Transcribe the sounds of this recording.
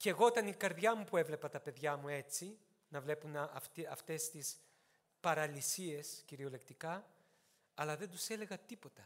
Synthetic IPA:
ceɣo̞ot̪ɐnikɐɾðʝɐmupue̞vle̞pɐt̪ɐpe̞ðʝɐmue̞t͡si | nɐvle̞punɐft̪iɐft̪e̞st̪is | pɐɾɐlisie̞sciɾio̞le̞kt̪ikɐː | lɐðend̪use̞le̞ɣɐt̪ipo̞t̪ɐ

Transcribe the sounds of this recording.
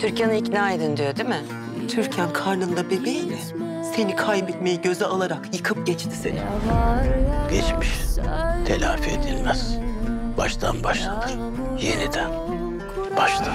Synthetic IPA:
t̪ʰyɾcanɯicnaːed̪ind̪ijod̪imɪ | t̪ʰyɾcʰænkʰaɾnɯnd̪abe̞bejinɪ | se̞nikʰajbɛt̪mejiɟø̞zɛalˠaɾakjɯkʰɯp̚ɟɛt͡ʃt̪ʰi̥se̞̰nḭ | ɟ̥ɛt͡ʃmiʃt̪ʰelʲa̰ːfied̪ilʲmæz̥b̥aʃt̪ʰa̰nbaʃlˠad̪ɯ | jenid̪æn | b̥aʃt̪ʰɯ

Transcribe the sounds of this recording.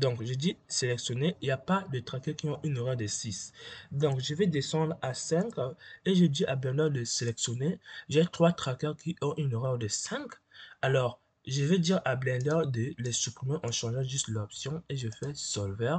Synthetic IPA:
d̪ɔ̃kʒəd̪iselɛksjɔneʔiljapad̪ət̪χakɛʁkiɔ̃ʔynoʁœʁd̪əsisd̪ɔ̃kʒəvɛd̪esɑ̃d̪ʁasɛ̃keʒəd̪iʔablɛ̃ʁd̪ɛʁd̪əselɛksjɔneʒɛt̪χwat̪χakœʁkʰiʔɔ̃ʔynoʁœʁd̪əsɛ̃k | alɔʁ | ʒəvɛd̪iʁablɛ̃d̪œʁd̪əlɛsypχimɑ̃ʔɑ̃ʃɑ̃ʒɑ̃ʒyst̪lɔpsjɔ̃eʒəfɛsɔlvɛʁ

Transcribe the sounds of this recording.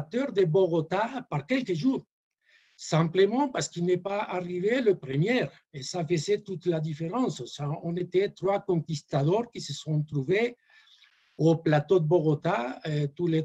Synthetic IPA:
t̪øʁd̪əboɣot̪apaʁkɛlkəʒuʁ | sɛ̃mpləmɑ̃paʁskilnepaaʁiveləpɾəmjɛʁ | esafəzet̪ut̪lad̪ifeʁɑ̃ssaɔ̃net̪et̪ɾwakɔ̃ŋkist̪aðɔʁkisəsɔ̃t̪ɾuve | oplat̪od̪əboɣot̪at̪ule

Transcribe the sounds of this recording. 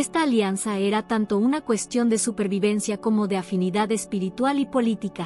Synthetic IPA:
est̪aːljansaeɾat̪ant̪o̞unakwe̞st̪jo̞nd̪e̞supe̞ɾβiβe̞nsjako̞mo̞ðeafiniðaðe̞spiɾit̪walipo̞lit̪ika

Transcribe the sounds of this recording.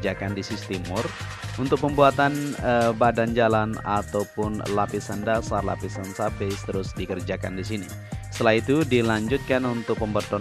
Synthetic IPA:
d͡ʒakandisist̪imʊr | unt̪ʊk̚pəmbuat̪anəbadand͡ʒalana̰t̪awpʊnlapisəndasarla̰pisənsabest̪əɾʊsdikərd͡ʒaka̰ndisini | sət̪əlait̪udilaɲd͡ʒut̪̚kanunt̪ʊk̚pəmbərt̪ɔ

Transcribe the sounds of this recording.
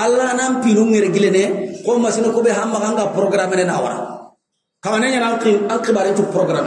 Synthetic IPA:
alːanãmpinũŋɛɾeɡilẽnɛkomasinokobɛhãmmakãŋkapɾɔɡɾamɛnɛnaːwa̰ɾa̰ | kamanɛ̃ɲanãŋkĩãŋkibaːɾẽt͡ʃuɡpɾɔɡɾamɛ

